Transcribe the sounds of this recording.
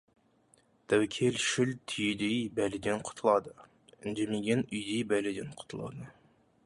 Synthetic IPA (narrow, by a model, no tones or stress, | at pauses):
d̪̥æwkʲʰelʃylt̪ʰyjd̪ijbælɪd̪ɪnqʰʊ̥t̪ʰulˠɑd̪ɨ | nd͡ʒimɪɡʲɛnyjd̪ijbɛlɪd̪ɪnqʰʊ̥t̪ʰulˠɑ̰d̪ɨ